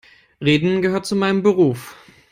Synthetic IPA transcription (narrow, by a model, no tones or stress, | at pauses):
ʁeːdn̩ɡəɦøːɐt̚t͡sumaɪnəmbəʁ̞uːf